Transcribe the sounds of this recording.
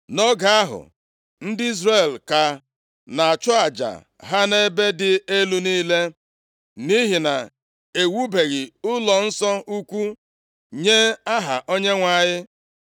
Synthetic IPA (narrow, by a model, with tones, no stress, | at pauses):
nɔ˦ɡa˨a˦ɦʊ̰˨ | n̩˦dɪ˦i˦zɾe˦˨lka˨ | na˨a˨t͡ʃʊ˦a˨d͡ʒa̰˨ | ɦa˦ne˦be˦dɪ˨e˦lu˦niː˦le˦ | ni˦ɦi˨na˨ | e˨wu˦be˨ɣi˨ʊ˦lɔ˨n̩˦sɔ˦u˦kʷu˦ | ɲe˦a˦ɦa˨ʔo˦ɲe˦ŋʷa˨ɲɪ˦